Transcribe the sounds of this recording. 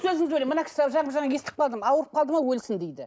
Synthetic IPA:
sɵzɪŋɪzbolʲejmənɑkʰʲɪ̥sabʒɑbʒɑɴɑje̞st̪ɪ̥qʰɑlˠd̪əmɑwəɾəp̚qʰɑlˠd̪əmɑwɵlsɪnd̪ejd̪ɪ

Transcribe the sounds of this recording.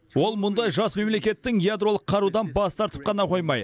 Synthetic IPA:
wo̞lˠmʊnd̪ɑjʒɑsme̞mle̞kʲe̞t̪ːɪŋjad̪ɾo̞lˠəqʰːɑɾud̪ɑnbɑst̪ɑɾt̪ə̥p̚qʰɑnɑqʰo̞jmɑj̪ə

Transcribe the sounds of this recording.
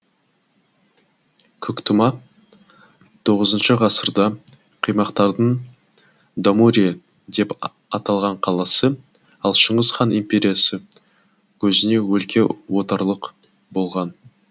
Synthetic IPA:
kʲʰʏkt̪əmɑ | t̪ʰo̞ʁəzənʃəʁɑsəɾd̪ɑ | qʰijmɑqt̪ɑɾd̪əɴ | d̪amuɾʲija | d̪e̞p | ɑt̪ɑlˠʁɑɴqʰɑlˠɑsə | ɑlˠʃəɴʁəzχɑnimpʲe̞ɾʲijasə | kʲʰɵzɪne̞wɵlkʲʰe̞wot̪ɑɾlˠəq | bo̞lˠʁɑn

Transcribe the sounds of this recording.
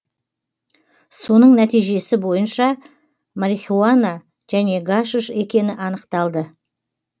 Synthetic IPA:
so̞nəɴnæt̪ijʒe̞sɪbo̞jənʃɑ | maɾixʲuana | ʒ̥æne̞ɡaʃuʃe̞kʲe̞nɪʔɑn̪əqt̪ɑlˠd̪ə

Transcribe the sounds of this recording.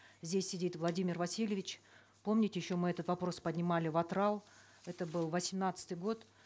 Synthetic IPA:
zʲdʲesʲːɪdʲit̪vlˠɐdʲimʲɪrvɐsʲilʲjɪvʲɪt͡ɕ | po̞mnʲɪtʲɪjɪɕːo̞mɨɛt̪ət̪vɐpɾo̞spədʲnʲɪmalʲɪvɐt̪ɾalˠ | ɛt̪əbɨlˠvəsʲɪmnat̪sɨ̥t̪ɨjɡo̞t̪

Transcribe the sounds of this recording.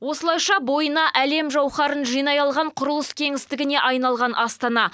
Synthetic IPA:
wo̞səlˠɑjʃɑbo̞jənɑʔæle̞mʒɑwχɑɾənʒijnɑjɑlˠʁɑɴqʰʊɾəlˠəskʲʰe̞ŋɪst̪ɪɡʲɪne̞ʔɑjnɑlˠʁɑnʔɑst̪ɑnɑ

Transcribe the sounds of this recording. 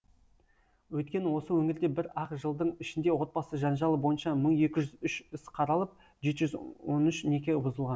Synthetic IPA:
wɵjt̪̚kʲe̞nɪwo̞səwɵŋɪɾd̪e̞bɪɾɑqʒəlˠd̪əɴɪʃɪnd̪e̞wo̞t̪̚bɑsəʒɑnʒɑlˠəbo̞jənʃɑməɴe̞kʲɪʒʏzʏʃʏsqʰɑɾɑlˠəp̚ | ʒe̞t̪ʒʏzwonʏʃne̞kʲe̞bʊzəlˠʁɑn

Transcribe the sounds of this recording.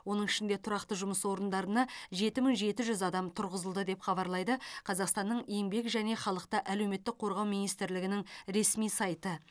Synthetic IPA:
wo̞nəɴɪʃɪnd̪e̞t̪ʰʊɾɑqt̪əʒʊməswo̞ɾənd̪ɑɾənɑʒe̞t̪ɪmɪŋʒe̞t̪ɪʒʏzɑd̪ɑmt̪ʰʊɾʁəzəlˠd̪əd̪e̞pχɑβɑɾlˠɑjd̪əqʰɑzɑqst̪ɑnːəɴe̞ŋbe̞kʒæne̞χɑlˠəqt̪əʔæle̞wme̞t̪ːɪk̚qʰo̞ɾʁɑwmijnijst̪ɪɾlɪɡʲɪnɪŋɾe̞smijsɑjt̪ə

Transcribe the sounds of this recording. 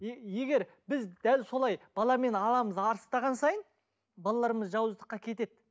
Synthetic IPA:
eje̞ɡʲe̞ɾ | bɪzd̪̥ælso̞lˠɑjb̥ɑlˠɑme̞nɑlˠɑməzɑɾst̪ɑʁɑnsɑjən | bɑlˠɑlˠɑɾəməzʒɑwəzd̪əqːɑkʲʰe̞t̪e̞d̪̥

